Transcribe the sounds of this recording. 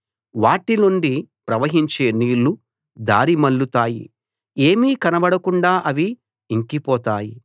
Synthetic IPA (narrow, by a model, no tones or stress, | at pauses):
ʋaːʈinuɳɖipɾɐʋɐɦiɲt͡ʃe̞ːniːlːu | d̪aːɾimɐɭːut̪aːjḭ | e̞ːmiːkɐnɐbɐɽɐkuɳɖaːʔɐʋiː | ŋkipɔːt̪aːji